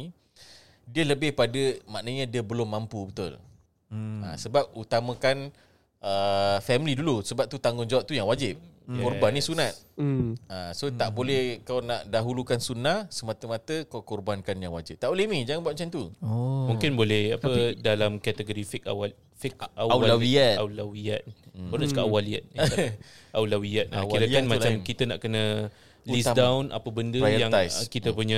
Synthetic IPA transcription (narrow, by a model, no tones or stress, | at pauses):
i | diələbɪhpadəmaʔnəɲədiəbəlʊmːampubət̪ʊ̰l | ã̰səbap̚ut̪amə̃kan | əfɛmilidulusəbap̚t̪ut̪aŋɡʊŋd͡ʒawaʔ̚t̪ujaŋwad͡ʒɪp̚kɔrbanːisunat̪̚ | asot̪aʔbolɛhkawnaʔdaɦulukansunahsəmat̪əmat̪əkawkɔrbankanjaŋwad͡ʒɪt̚t̪aʔbolemĩd͡ʒaŋanbuat̪̚mat͡ʃant̪umuŋkɪnbolɛhapədalamkat̪əɡoɾifikawa | fɪkaalawiaawlawiat̪̚pənat͡ʃukaʔawaliat̪̚ | ʔawlawiat̪̚ailaanmat͡ʃamkit̪əna̰ʔkənə | lisdawnʔa̰pəbəndəajəjaŋajskit̪əpuɲa